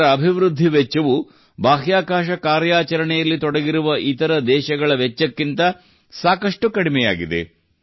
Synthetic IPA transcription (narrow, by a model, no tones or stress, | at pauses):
ɾɐːbʱiʋɾud̪ʱːiʋɛt͡ʃːɐʋu | bʱaːɦjaːkaːʃɐkaːɾjaːt͡ʃɐɾɐɳɛjɐlːit̪ɔɽɐɡiɾuʋɐʔit̪ɐɾɐd̪ɛːʃɐɡɐɭɐʋɛt͡ʃːɐkːint̪ɐ | saːkɐʂʈukɐɽimɛja̰ːɡid̪ḛ